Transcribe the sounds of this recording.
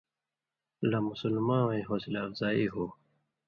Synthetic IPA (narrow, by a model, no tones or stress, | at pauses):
lɐmusulmãːwĩɦoːsilaːfzaːiːɦoː